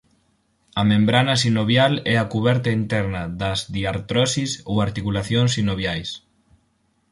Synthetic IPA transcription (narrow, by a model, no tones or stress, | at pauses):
ɐmẽmbɾanɐsinoβjalɛakuβɛɾt̪ɐint̪ɛɾnɐðɐzðiaɾt̪ɾɔsisowaɾt̪ikulaθjoŋsinoβjajs